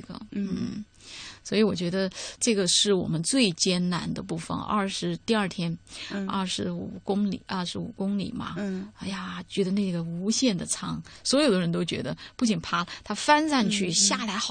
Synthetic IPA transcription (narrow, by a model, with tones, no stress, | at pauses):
ɡə̰˧˩˥n̩˥˩ | swɔ˧˥i˧˥wɔ˨˩t͡ɕɥɛ˧˥d̪ə˧ʈ͡ʂɤ˥˩ɡə˩ʂɻ̩˥˩wɔ̰˨˩mə˦nt͡swe˥˩ɪt͡ɕjɛ˥nna˧˥nd̪ə˧pu˥˩fə̰˨˩nɐ̰˥˧˩ʂɻ̩˧˥t̪i˥˧ɐ˞˥˩t̪ʰjɛ˥nɐ˥˩ʂɻ̩˧˥ṵ˨˩kʊ˥ŋlḭ˨˩ʔɐ˞˥˩ʂɻ̩˧˥ṵ˨˩kʊ˥ŋlḭ˨˩mɐ̰˦a˥ɪja˩t͡ɕɥɛ˧˥d̪ə˧ne˥˩ɡə˩u˧˥ɕjɛ˥˩nd̪ə˩t͡sʰɑ˥ŋswɔ˧˥jo˨˩ʊd̪ə˦ɻə˧˥nt̪o˥ʊt͡ɕɥɛ̰˧˥d̪ə˧pu˥˩t͡ɕi˨˩ŋnpʰa˥lə˩t̪ʰa˥fa˥nt͡sa˥˧nt͡ɕʰy˥˩ɕja˥˩la˧˥ɪxɑ˨˩